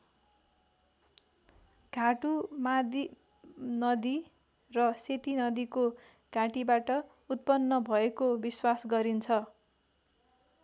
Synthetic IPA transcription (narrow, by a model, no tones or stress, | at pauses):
ɡ̥ʱaʈumad̪i | nʌd̪i | rʌset̪inʌd̪iko | ɡ̥ʱãʈibaʈʌ | ut̪̚pʌnːʌbʱʌekobiswasɡʌɾint͡sʰʌ